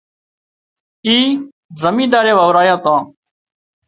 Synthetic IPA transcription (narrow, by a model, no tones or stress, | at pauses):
iː | zəmĩːd̪aːɾeːʋaːʋɾaːjãːt̪ãː